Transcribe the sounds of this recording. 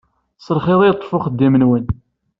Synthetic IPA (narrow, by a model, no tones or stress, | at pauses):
səɾχeðˤijt̪ˤːfʊχəd̪ːimənwən